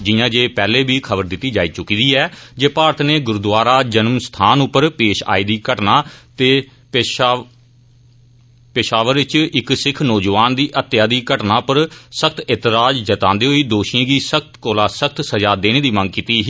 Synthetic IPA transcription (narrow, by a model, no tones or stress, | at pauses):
d͡ʒɪjãːd͡ʒeːpɛːleːbʱiːkʰəbəɾd̪ɪt̪ːiːd͡ʒaːiːt͡ʃʊkiːd̪iːɛːd͡ʒeːpaːɾət̪ʰneːɡʊɾd̪ʋaːɾaːd͡ʒənmst̪ʰaːnʊpːəɾpeːʃa̰ːiːd̪iːkəʈnaːt̪eː | pɪʃaːʋəɾʋɪt͡ʃɪksɪkʰnɔːd͡ʒʋaːnd̪iːʔət̪ːjaːd̪iːkəʈnaːpəɾsəkʰt̪ɪt̪ɪɾaːd͡ʒd͡ʒət̪ãːnd̪eːɦoiːd̪oːʃiãːɡiːsəkʰt̪koːlaːsək̚ʰt̪səd͡ʒaːd̪eːñeːd̪iːmə̃ŋɡkiːt̪iːɦ